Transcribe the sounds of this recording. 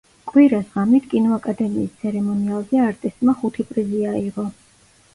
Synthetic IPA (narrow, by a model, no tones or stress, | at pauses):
kʼwiɾasʁamit̪ʰkʼinɔakʼad̪ɛmiːst̪sʰɛɾɛmɔnialˠzɛaɾt̪ʼist̪ʼmaχut̪ʰipʼɾiziaiʁɔ